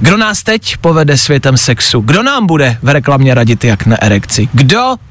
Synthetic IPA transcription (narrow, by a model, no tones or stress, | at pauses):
ɡdo̞naːst̪ɛcpo̞vɛdɛsvjɛt̪ɛmsɛksuɡdo̞naːmbudɛvɾɛklamɲɛɾaɟɪt̪jaknaʔɛɾɛkt͡sɪɡdo